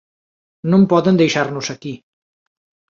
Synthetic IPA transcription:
nompɔðənd̪ejʃarnuzəki

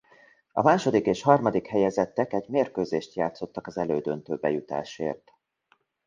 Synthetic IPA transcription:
ɒ̰maːʃo̞d̪ikeːʃhɒrmɒd̪ikhɛjɛzɛt̪ːɛkɛɟmeːrkøːzeːʃt̪jaːt̪so̞t̪ːɒkɒzɛløːd̪ønt̪øːbɛjut̪a̰ːʃḛːrt̪

